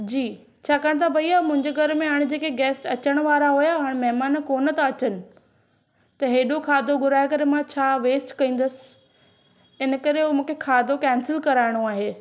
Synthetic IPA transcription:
d͡ʑiː | t͡ɕʰaːkaːɽ̃t̪ʰabʱɐiaːmʊ̃ɦɪ̃ɲd͡ʑeɡʱɐɾmẽɦaːɽ̃d͡ʑeːkeɡɛːsʈɐt͡ɕəɽ̃ʋaːɾaɦujaɦaːɽ̃mɐɦɪmaːnkoːnət̪ãɐt͡ɕənɪ̆ | t̪ɐɦeːɗokʰaːd̪ʱoɡʊɾaːekɐɾemãt͡ɕʰaːʋeːsʈkɐĩːn̆d̪əsɪ̥̆ | ɪnə̆kɐɾeumũːkʰekʰaːd̪ʱokɛ̃ːnsɪlkɐɾaːɪɽ̃oaːɦeː

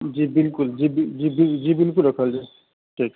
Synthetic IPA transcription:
d͡ʑibilkuld͡ʑibid͡ʑibid͡ʑibilkulɾɔkʰald͡ʒaj | ʈʰik

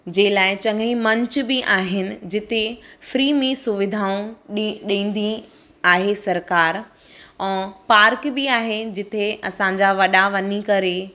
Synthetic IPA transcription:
d͡ʑẽːlaːɪt͡ɕɐ̃ŋɡʱəĩmɐ̃ɲt͡ɕbiʔaːɦɪnɪ̆d͡ʑɪt̪efɾiːmẽsʊʋɪd̪ʱaːũɗĩːn̆d̪i | aːɦesɐɾkaːɾɛ̃ːpaːɾkbɪaːɦed͡ʑɪt̪ʰeɐsãɲd͡ʑaʋɐɗaʋɐɲikɐɾe

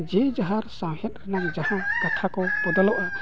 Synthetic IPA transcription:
d͡ʒɛd͡ʒaɦaɾsãwhɛt̪̚ɾɛnak̚d͡ʒahãkat̪ʰakɔpɔd̪ɔlɔʔɔ

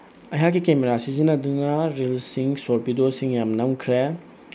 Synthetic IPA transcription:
ɐjɦakːikemeɾasizinɐdunɐɾilsiŋsoɾpidosiŋjamnɐwkʰɾe

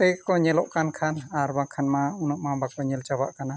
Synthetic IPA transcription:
t̪ɛjkɔɲɛlɔʔkankʰanaɾbakʰanmaunɔʔmabakɔɲɛlt͡ʃabaʔkana

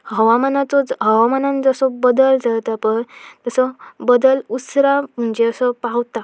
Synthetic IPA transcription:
hhəʋamənat͡sɔd͡zɦəʋamanand͡zəsɔbəd̪əld͡zalt̪apəɳt̪əsɔbəd̪əlusɾam̤əɳd͡ʑeəsɔpawt̪a

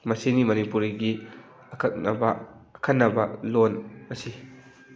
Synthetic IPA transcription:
mɐsenimɐnipuɾiɡi | ɐkʰɐk̚bɐkʰɐnːɐbɐlɔnɐsi

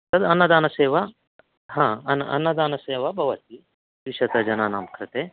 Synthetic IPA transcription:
sɐd̪ɐnːɐd̪aːnɐseːʋa | ɦãːɐnɐ̰nːɐd̪aːnɐseːʋabʱɐʋɐt̪̚i | ʋiʃɐt̪ɐd͡ʒɐnaːna̰ːmkɾɨt̪eː

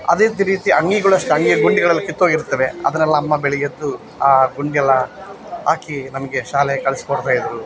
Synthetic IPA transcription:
ɐ̰d̪et̪iɾiːt̪iʔɐ̰ŋɡiɡɐɭuɐʂʈuɐŋɡijɐɡuɳɖiɡɐɭɐlːikit̪ːoːiɾut̪ːɐʋe̞ɐ̰d̪ɐnɛlːɐːmːɐbeɭijɐd̪ːu | aːɡuɳɖijɐlːɐ | ɦaːkinɐmɐɡe̞ʃaːleɐkɐɭɛskoɽt̪aːjid̪ɾu

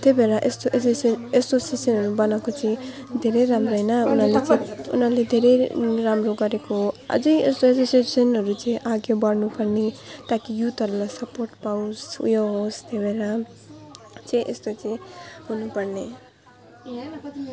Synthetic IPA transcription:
t̪jebeɾaʔest̪oʔesosnesosesʌnɦʌɾubʌnakot͡sʌĩ | d̪ʱeɾʌjɾamroɦʌjnʌunʌɾlet͡sṵnʌɾled̪ʱeɾʌjɾamroɡʌɾekoʌ̰d͡zʌjest̪oesosesʌnɦʌɾut͡sʌ̃ĩʔaɡebʌɽnupʌrnet̪akijut̪ʌɾulajsʌporʈpawsṵjoɦost̪ebeɾa | t͡sʌĩʔest̪ot͡sʌĩɦunupʌrne

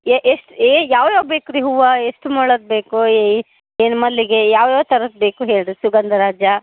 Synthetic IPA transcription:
eʔeʂʈeːjaːʋjaːʋbeːkuɾiɦuʋɐeʂʈumoːɭɐd̪̚beːkue | eːnmɐd̪lːiɡejaːʋjaːʋt̪ɐɾɐd̪̚beːkuɦeːɭɖsuɡɐnd̪ʱɐɾaːd͡ʒjɐ

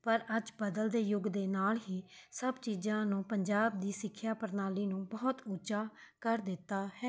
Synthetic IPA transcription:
pəɾəd͡ʒbəd̪əld̪eːjʊɡd̪eːnaːlɦiːsəbt͡ʃiːd͡ʒãːnũːpəɲd͡ʒaːb̚d̪iːsɪkʰːjaːpəɾnaːliːnũːbɔːt̪ʊt͡ʃaːkəɾd̪ɪt̪ːaːhɛː

